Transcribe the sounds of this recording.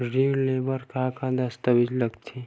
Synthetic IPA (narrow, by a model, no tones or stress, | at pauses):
ɾileːbəɾkakãd̪ɐst̪əbid͡ʒlɐɡt̪ʰi